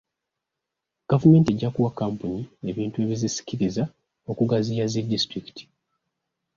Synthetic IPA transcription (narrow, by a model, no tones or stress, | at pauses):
ɡ̥avume̞ːntie̞ɟːakuwakːaːmpuɲie̞βiːntue̞βizisi̥ciɾiza | o̞kuɡazijazedːistɾiki̥tʰi̥